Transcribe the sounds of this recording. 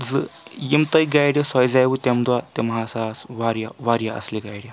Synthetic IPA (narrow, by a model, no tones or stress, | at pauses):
d͡zəjimt̪əjɡajɽjasajd͡zajʋut̪ɛmd̪ʋat̪emɦasasʋaɾjaʋaɾjaʔə̰sliɡajɽja